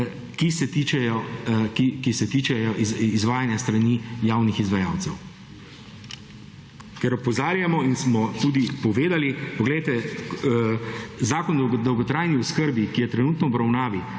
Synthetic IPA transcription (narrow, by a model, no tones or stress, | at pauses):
kisɛt̪iːt͡ʃɛjɔkikisɛt̪iːt͡ʃɛjɔʔizizʋaːjanjast̪ɾanijaːwnixizʋaja̰ːwt̪sɛw | kɛɾɔpɔzaːɾjamɔinsmɔt̪ud̪ipɔʋeːd̪alipɔɡlɛjt̪ɛ | zaːkɔnd̪d̪ɔwɡɔt̪ɾaːjniɔskəɾbikijɛt̪ɾɛnuːt̪nɔːbɾawnaːʋi